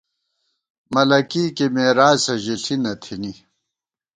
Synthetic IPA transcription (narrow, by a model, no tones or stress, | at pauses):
mɐlɐkiːkemeːɾaːsɐʑiɬinɐt̪ʰini